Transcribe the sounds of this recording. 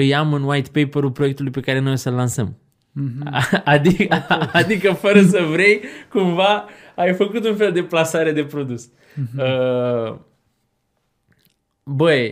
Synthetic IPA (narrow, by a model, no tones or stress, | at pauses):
ɨjamɨnwajt̪pejpəɾupɾojekt̪ulujpe̞kaɾe̞no̞jsəlːansəm | ad̪ikad̪ikəfəɾəsəvɾe̞jkumvaː | jfəkut̪unfe̞ld̪e̞plasaɾe̞d̪e̞pɾo̞d̪us | ə | bəj